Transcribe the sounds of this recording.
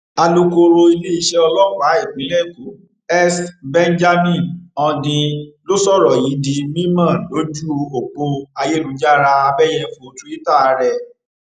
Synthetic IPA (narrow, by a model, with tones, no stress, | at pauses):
a˧lo˧ko˧ɾo˧i˧le˦i˧˦ʃɛ˦ɔ˧lɔ˦wa˨˦i˦˨ɡ͡bĩ˨˦ɾɛ˦˨ku˨˦ | ɛ˦sbɛ˦n˦d͡ʒa˦mĩ˦˨nɔ̃˧dĩ˧lo˦sɔ˦ɾɔ˨ji˨˦di˧mĩ˦mã˦˨lo˨˦d͡ʒu˦˧o˨k͡po˧a˧je˦˨lu˨˦d͡ʒa˦ɾa˧a˧bɛ˦jɛ˦˨fo˨tu˨˦i˦ta˦˨a˨˧ɾɛ˧˨